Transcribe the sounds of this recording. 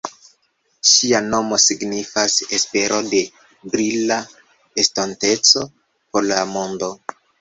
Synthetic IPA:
ʃiano̞mo̞siɡnifasespe̞ɾʔo̞de̞ | bɾila | estante̞t͡so̞ | poɾlamo̞ndo̞

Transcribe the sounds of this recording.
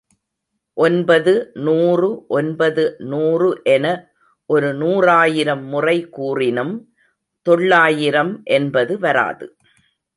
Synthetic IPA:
ʔɔnbɐðɯnuːrɯʔɔnbɐðɯnuːrɯʔɛnɐ | ʔɔɾɯnuːraːjɪɾɐmːʊrɐɪkːuːrɪnɯm | t̪ɔɭːaːjɪɾɐmʔɛnbɐðɯʋɐɾa̰ːðɯ̰

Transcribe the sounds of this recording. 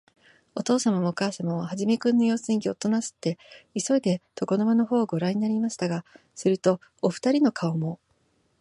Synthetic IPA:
o̞t̪o̞ːsamamookaːsamaβahaʑime̞kɯ̟̃nːojo̞ːsɨ̃ŋɡʲiot̪ːo̞nasɨ̥t̪ːe̞iso̞id̪e̞t̪o̞ko̞nomano̞ɦo̞ːɡo̞ɾaɲ̟inaɾʲimaɕi̥t̪aɡa | sɨɾɯ̟t̪o̞ː | ɸɯ̥t̪aɾʲino̞kʰaomo̞

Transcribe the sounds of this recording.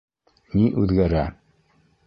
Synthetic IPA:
niʔʉðɡæɾæ

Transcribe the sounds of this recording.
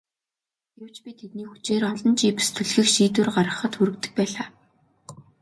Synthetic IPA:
ɡew̥t͡ɕpʲit̪ʰet̪niːxu̥t͡ɕeːrɔɮɞ̆nt͡ɕiːpu̥st̪ʰɵ̆ɮxĭxʃiːt̪ɘ̆rɢaɾə̆χə̆t̪xuɾɵ̆kt̪ɘ̥̆k̚pæːɮaː

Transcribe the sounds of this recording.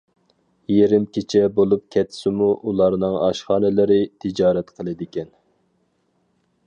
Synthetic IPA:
jeɾɪmkʲʰet͡ʃʰɛbolˠup̚kʲʰɛt̪ʰːɪ̥sɪmuʔulˠɑɾnɨŋɑ̰ʃχɑːnɨlɪɾɪt̪ʰɪd͡ʒɑːɾɛt̪qʰəlˠɨd̪ɪkʲɛn

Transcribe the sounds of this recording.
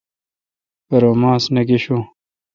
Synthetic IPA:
pɐɾomãːsneɡeɕu

